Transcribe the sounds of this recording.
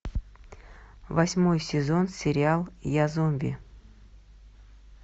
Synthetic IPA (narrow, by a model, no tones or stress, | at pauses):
vɐsʲmojsʲɪzonsʲɪɾʲɪalˠjazomvʲḭ